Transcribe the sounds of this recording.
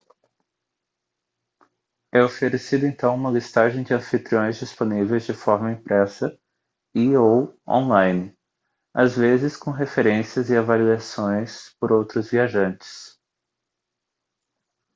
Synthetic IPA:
ɛofeɾesid̪ʊẽnt̪ɐ̃w̃ũmɐlist̪aʒẽj̃d͡ʒɪɐ̃fit̪ɾiõj̃zd͡ʒisponivejzd͡ʒɪfɔɾmɐĩpɾɛsɐ | ɪowõ̰nlãjnɪ | azvezɪskõɦefeɾẽsiɐzɪavaliasõj̃spoɾowt̪ɾʊzviaʒɐ̃nt͡ʃɪ̥s

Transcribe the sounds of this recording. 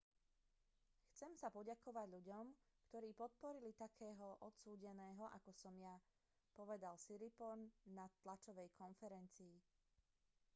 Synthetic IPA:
xt͡sɛmsapɔɟakɔʋaɟʎuɟɔmkt̪ɔɾiːpɔt̪̚pɔɾilit̪akʰɛːɦɔʔɔt̪suːɟɛnɛːɦɔʔa̰kɔsɔmja | pɔʋɛd̪alsiɾipɔnːat̪lat͡ʃɔʋɛjkʰɔnfɛɾɛnt͡siː

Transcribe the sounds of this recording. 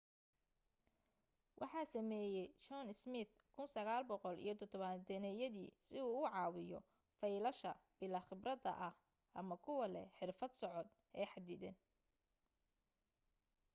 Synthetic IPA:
wʔɑ̰ħɑːsɐmɛːjɛjt͡ʃɔnɪsmɪθ | kʰʊnsɐɣaːlbɔqɔlḭjɞt̪ʰɔt̪ʰɔβɐnt̪ʰɐnɛjɐðḭːsɪuːʊʕɑːwɪjɔ̰ | fɐjlɐʃɐb̥ɪlɐχɪbrɐd̪ɐ̰ʔɐh | ʔɐmɐkʰʊwɐlɛħɪrfɐd̪sɔʕɔd̪̚ | ɛːħɑd̪ɪd̪ɛn

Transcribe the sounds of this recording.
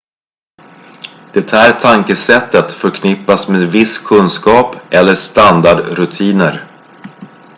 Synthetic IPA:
d̪̥ɛt̪ʰæːɾʈʰaŋkəsɛt̪ːət̪fœɾkʰnɪpːasmeːd̪vɪskʰɵnskɑːpʔɛlːəʂt̪and̪aɖɾɵt̪ʰiːnəɾ

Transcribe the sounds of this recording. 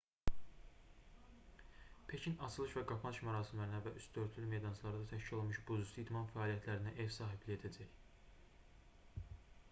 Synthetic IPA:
pʰe̞cʰinɑt͡ʃʰɯlˠɯʃvæɡɑpʰɑnɯʃmæɾɑːsimlæɾinævæʔysd̪ø̞ɾt̪ʰlylme̞jd̪ɑnt͡ʃʰlˠɑɾɯd̪ɑt̪ʰæʃcilo̞lˠmuʃbuzusuid̪mɑnfæɑːlijæt̪ʰlæɾinæʔe̞vsɑːɦibliçe̞d̪æd͡ʒæç

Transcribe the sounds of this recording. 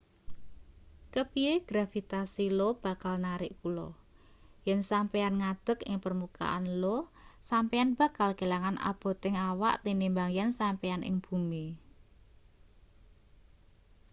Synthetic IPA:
kəpieɡ̥ɾafit̪asilob̥a̤kalnaɾɪʔkulɔ̰ | jɛnsampɛanŋad̪̥ə̤kɪŋpərmuka̰ʔa̰nlosampɛanb̥a̤kalkelaŋanʔa̰b̥o̤t̪ɪŋawa̰ʔt̪inimbaŋjɛnsampɛanʔɪ̰ŋb̥umi

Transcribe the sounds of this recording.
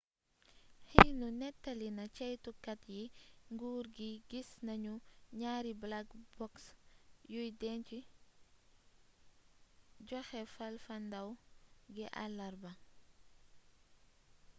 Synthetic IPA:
hinunɛtːɐlinɐt͡ʃɐjtukɐtjiŋɡuːɾɡiɡisnɐɲuɲaːɾiblakbɔksjujdɛnt͡ʃi | ɟɔxɛfɐlfɐndɐwɡiʔalːɐɾbɐ

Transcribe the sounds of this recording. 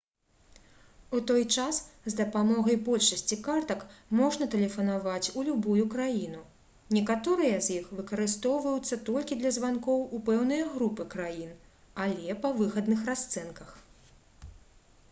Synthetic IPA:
ut̪ɔjt͡ʂaszd̪ɐpamɔɣɐjbɔlʲʂɐsʲt͡sʲikart̪ɐkmɔʐnɐt̪ɛlʲɛfɐnavat͡sʲulʲubujukɾajinu | nʲɛkat̪ɔɾɨjɐzʲjixvɨkɐɾɨst̪ɔwvɐjut̪sːɐt̪ɔlʲkʲid̪lʲɐzvankɔwupɛwn̪ɨjɐɣɾupɨkɾajin | alʲɛpɐvɨxɐd̪nɨxrast̪sɛnkɐx

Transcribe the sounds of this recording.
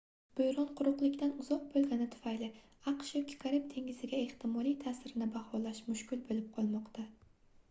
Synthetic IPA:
b̥ojɾɒnqʰʊɾʊqlˠɪkʲt̪anʊzɒq̚bolˠɡʲanɪt̪ʰʊ̥fajlɪ | aqʃjɒkʲʰɪ̥kʰaɾɪp̚t̪ʰe̞ŋʲɪzɪɡʲae̞ht̪ʰɪmɒlˠijt̪ʰaːsɪɾɪnɪbahɒlaʃmʊʃkʲɪlbolɪp̚qʰɒlˠmɒqt̪ʰa

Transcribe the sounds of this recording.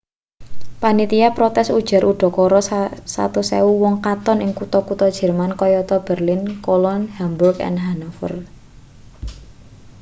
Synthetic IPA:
panit̪iapɾɔt̪ɛsud̥ʒ̥a̤ɾʔuɖ̥ɔ̤kɔɾɔsa̰t̪usɛuwɔŋkat̪ɔnɪŋkut̪ɔkut̪ɔd̥ʒ̥ɛ̤rmankɔjɔt̪ɔb̥ərlɪnkolɔnhamburkɛ̰nɦanafə̰r

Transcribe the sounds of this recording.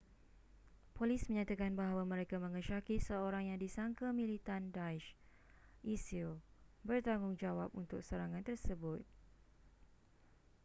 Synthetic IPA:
polismə̃ɲat̪akanbaɦawamə̃ɾekamə̃ŋəʃakisəoɾaŋjaŋdisaŋkamĩlit̪andaiʃ | ʔisilbərt̪aŋʊŋd͡ʒawapunt̪ʊk̚səɾaŋãnt̪ərsəbʊt̪̚

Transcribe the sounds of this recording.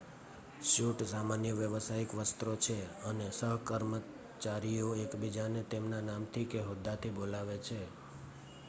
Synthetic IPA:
ʃuʈsamanjəʋjəʋəsaikʋəst̪ɾot͡ʃʰeənesəɦkəɾmə | t͡ʃaɾijoekbid͡ʒanet̪emnanamt̪ʰikeɦod̪ːat̪ʰibolaʋet͡ʃʰe

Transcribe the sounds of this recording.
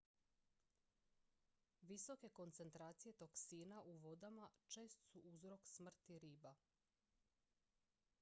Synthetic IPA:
ʋiso̞ke̞ko̞nt̪se̞nt̪ɾaːt̪sije̞t̪o̞ksiːnaʔuʋo̞d̪amat͡ʃe̞ːst̪suʔuzɾo̞ksmr̩t̪iɾiːba

